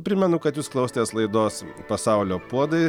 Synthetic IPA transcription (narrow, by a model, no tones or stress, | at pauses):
pʲɾʲɪmʲɛnʊkɐt̪juːsklˠɐʊsʲt̪ʲeːslˠɐɪd̪oːspɐsɑˑʊlʲoːpuɔd̪ɐɪ